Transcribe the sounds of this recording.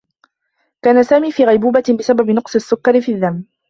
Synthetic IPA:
kaːnasaːmiːfiːɣajbuːbabɪsababɪnʊqsˤɨasːʊkːɑɾɪfiðːamː

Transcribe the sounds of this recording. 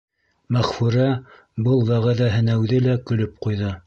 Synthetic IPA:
mæχfuɾæ | bɤlˠβæʁæðæɦɘ̆næwðɘlækɵ̆lɵp̚qujðɤ

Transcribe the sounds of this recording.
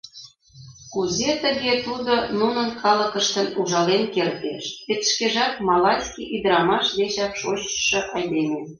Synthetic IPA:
kuzet̪ə̆ɣet̪ud̪onunənkʰɑləkəʃt̪ə̆nuʒɑlenkert̪ḛʃet̪ʃkeʒɑt̪̚mɑlɑskʲiʔid̪ɾɑmɑʃd̪et͡ɕɑkʃoɕə̥ʃɤ̆ʔɑjd̪eme

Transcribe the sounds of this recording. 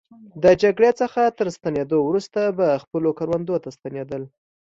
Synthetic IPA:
d̪əd͡ʒaɡɽet͡səxat̪əɾst̪aned̪owɾust̪abaxpəlokaɾwand̪ot̪ast̪aned̪əl

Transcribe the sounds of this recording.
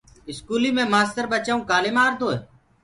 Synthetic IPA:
ɪskuːliːmẽːmaːst̪əɾbət͡ʃaːũːkaːlɪːmaːɾd̪ʱoːeː

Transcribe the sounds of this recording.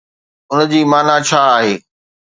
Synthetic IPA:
ʊnd͡ʑiːmaːnat͡ɕʰaːɦeː

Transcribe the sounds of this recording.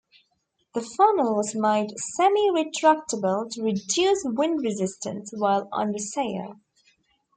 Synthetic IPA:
ðəfɑməl̩ˠwʌzmãɪ̃ndsɛmiɹɪtʰɹ̥æk̚təbəlˠtʰəɹɨdʉswɪ̃ndɹɨzɪstɨ̰̃nswaɪlˠʌ̰̃nðəseɪə̰˞

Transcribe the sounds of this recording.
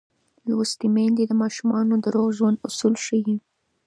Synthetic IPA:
lwast̪imend̪ed̪əmɑʃumɑnod̪əɾoɣʒwand̪ʊsulʃəji

